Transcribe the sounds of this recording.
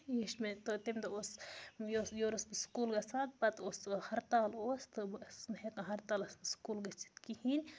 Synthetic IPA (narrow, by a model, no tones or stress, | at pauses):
jiʃmet̪ot̪imʲt̪ɐosjosjoːɾɐsmiskuːlɡɐsaːt̪̚pɐt̪oshɐɾt̪aːloːst̪ɨbsnhekɐ̃ɦɐɾt̪aːlɐsmskuːlɡɐt͡si̥t̪kihinʲ